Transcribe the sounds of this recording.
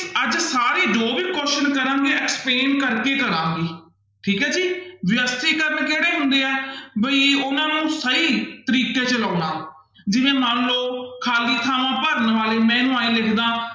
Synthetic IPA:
əd͡ʒsaːɾiːd͡ʒoːbiːkɔːʃənkəɾãːŋɡeːɛːkspleːnkəɾkeːkəɾãːŋɡeː | ʈʰiːkɦɛːd͡ʒiːʋɪjəst̪iːkəɾənkeːɽeːɦʊnd̪eːɛːbəiːʊnãːnũːsəiːt̪əɾiːkeːt͡ʃəlaːnaː | d͡ʒɪʋẽːmaːnloːkʰaːliːt̪ʰaːʋãːpəɾənʋaːleːmɛ̃ːnũːaːĩːlɪkʰd̪ãː

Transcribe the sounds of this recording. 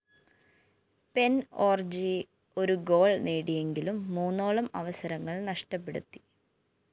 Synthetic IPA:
pe̞noːrd͡ʑi | o̞ɾuɡo̞ːɭneːɽije̞ŋɡilumːuːnːoːɭɐmɐ̰ʋɐsɐɾɐŋːɐɭnɐʂʈɐpːe̞ɽṵt̪ːi̥

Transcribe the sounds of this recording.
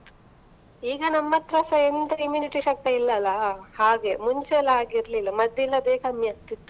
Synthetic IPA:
iːɡɐnɐmːɐt̪ɾɐsɐend̪ɐimjuːniʈiʃɐk̚t̪eilːɐlɐhaːɡe̞muɲt͡ʃɛlaːɡiɾlilːɐmɐd̪ːilːɐd̪eːkɐmjɐt̪it̪ːu

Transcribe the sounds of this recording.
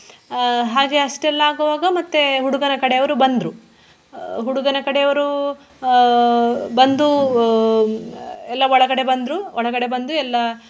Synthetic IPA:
ɦaːɡe̞ɐʂʈɛlːɐaːɡuʋaːɡɐmɐt̪ːeɦuɽuɡɐnɐkɐɽejɐʋɐɾubɐnd̪ɾu | ɦuɽuɡɐnɐkɐɽejɐʋɐɾu | bɐnd̪u | ɛlːɐɔɭɐɡɐɽe̞bɐnd̪ɾuɔɭɐɡɐɽe̞bɐnd̪uɛlːɐ

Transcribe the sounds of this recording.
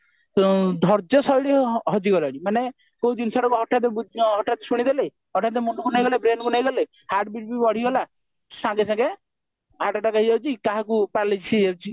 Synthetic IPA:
d̪ʱɔɾd͡ʒɔsɔjɽiɦɔd͡ʒiɡɔlaɽimane | koud̪insaɽɔkuɦɔʈʰːad̪ebud̪ɔɦɔʈːat̪esuɽ̃id̪ele | ɦɔʈad̪emunkunajɡɔlebɾenkunajɡɔle | haɾʈ̚biʈ̚bibɔɽ̤iɡɔla | sãŋɡesãɡe | ɦaʈaʈakaɦid͡ʒawt͡ʃʰikaɦakupaɾlid͡ʒsʰid͡ʒewt͡ʃʰi

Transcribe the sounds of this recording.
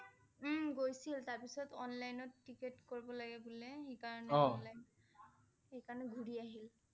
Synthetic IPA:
m̩ɡojsiltaɹpisɔtɔnlajnɔtːiketkoɹibɔlaɡɛbulɛxekaɹɔnɛɔnlajn | ejkaɹɔnɛɡʱuɹiaɦil

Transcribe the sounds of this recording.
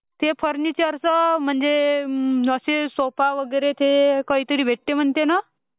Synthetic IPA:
t̪epʰəɾnit͡ɕeəɾsəm̤əɳd͡ze | əsesopaʋəɡəjɾet̪ʰekəɦiːt̪əɾiːbʱeʈ̚t̪em̤əɳt̪ena

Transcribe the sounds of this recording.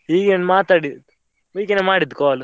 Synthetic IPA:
hiːɡenmaːt̪aːɽi | ʋiːkenemaːɽid̪ːkoːl

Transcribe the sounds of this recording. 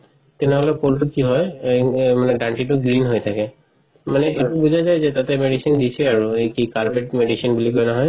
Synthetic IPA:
t̪ɛnɛɦɔlɛpolʈukiɦɔj | manɛɖanʈiʈuɡlinɦojt̪ʰakɛ | manɛʔeubuzʱazajzɛt̪at̪ɛmeɖisindisʰɛaɹuejkikaɹbeʈmeɖisinbuliɡɔjnaɦɔj

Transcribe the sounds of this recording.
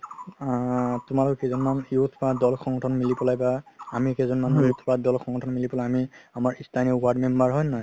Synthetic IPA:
tʊmalɔkɔkɛzɔnmanjut̪ʰpadɔlxɔŋɡɔtʰɔnmilipɔlajbaamikɛzɔnmanujut̪ʰpadɔlxʰɔŋɡɔtʰɔnmilipɔlajamiamaɹistʰaniwaɹdmɛmbaɹɦɔjnɔj

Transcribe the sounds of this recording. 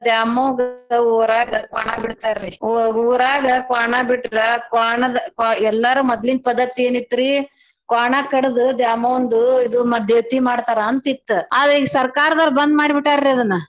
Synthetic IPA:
d̪jaːmoːɡɐuːɾaːɡɐka̰ːɳabiɽt̪aːɾɾiuuːɾaːɡɐkaːɳabiʈɾɐkaːɳɐd̪ɐkːɛlːɐɾuːmɔd̪lind̪̚pɐd̪ːɐt̪ieːnit̪ːɾi | kaːɳakɐɽɐd̪ud̪jaːmɐʋond̪uid̪umɐd̪ʱjet̪ːimaːɽt̪aːɾɐːnt̪it̪ːuaːd̪ɾiɡsɐɾkaːɾɐd̪ɐlːbɐnd̪maːɽibiʈːaːɾɾiɐd̪ɐnːɐ

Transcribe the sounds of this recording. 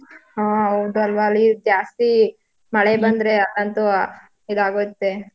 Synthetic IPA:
haːɦɐwd̪uɐlʋɐːlːid͡ʒaːst̪i | mɐɭebɐnd̪ɾeɐlːɐnt̪u | id̪aːɡojt̪ːe

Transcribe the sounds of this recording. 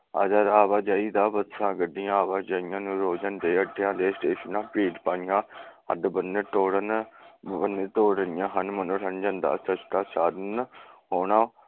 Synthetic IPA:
ə̰d͡ʒəɾaːʋaːd͡ʒaːiːd̪aːbət̪sãːɡəɖɪjãːʋaːd͡ʒaːjãːnũːɾoːd͡ʒənd̪eːəɖejãːd̪eːsʈeːʃənãːpiːʈpaːnɪjãːə̰d̪bənːeːt̪oːɽən | ənːeːt̪oːɽənɪjãːɦənmənõːɾʰənd͡ʒə̃nd̪a̰ːsət͡ʃʈ̪aːsaːd̪nɦoːnãː

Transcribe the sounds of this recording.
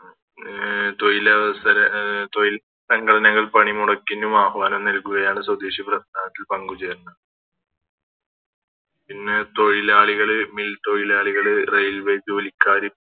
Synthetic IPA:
t̪ojilɐʋɐsɐɾɐt̪ojil | sɐŋɡɐɽɐnɐŋːɐɭpɐɳimuɽɐkːinːumaːhʋaːnɐmnɐlkːuɣɐjaːɳɨswɐwd̪eːɕiprɐsnaːðɐt̪ːilpɐŋɡut͡ɕeːrunːɐð | pinːɨt̪o̞ɻilaːɭiɣɐɭɨmilt̪o̞ɻilaːɭiɣɐɭɨrejlʋejd͡ʑɨolikːaːɾi

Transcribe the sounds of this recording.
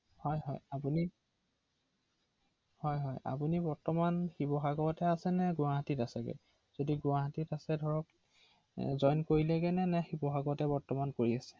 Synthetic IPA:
hɔjɦɔjapuni | hɔjɦɔja̰punibɔɹtɔmanxibɔɦaɡɔtɛasɛnɛɡʊaɦatitasɛɡɛ̰ | z̥odiɡʊaɦatitasɛdʱɔɹɔk | zɔjnkoɹilɛɡɛnɛnɛxibɔɦaɡɔtɛbɔɹtɔmankoɹiasɛ̥

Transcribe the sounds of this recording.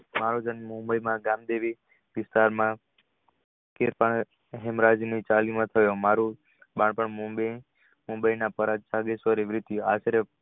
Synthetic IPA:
maɾod͡ʒənmũmbəimãɡamd̪eʋi | ʋɪst̪aɾmã | keɾpaɳ | ɦɛmɾad͡ʒnit͡ʃalimãt̪ʰəjõmaɾu | bãɳpəɳmumb | mũmbəijnapəɾad͡ʒt͡ʃaɡesʋəɾeʋɾit̪juaʃəɾə

